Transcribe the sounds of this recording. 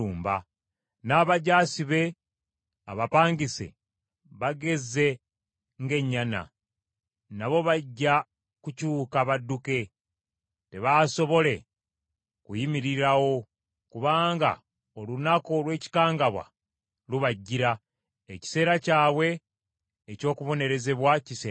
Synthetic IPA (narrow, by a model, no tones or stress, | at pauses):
uːmba | naːβaɟaːsiβe̞ | a̰βapaːɲɡise̞̰ | βaɡe̞ze̞ | ŋɡe̞ɲːana̰ | naβo̞βaɟːa | kucuːkaβadːuke̞ | te̞βaso̞βo̞le̞ | kujimiɾiɾawo̞ | kuβaːŋɡa̰ | olunako̞lwe̞ːci̥kaːŋɡaβwa̰ | luβaɟːiɾa | eci̥se̞ːɾacaːwe̞ː | co̞ːkuβo̞ne̞ɾe̞ze̞βwaciseː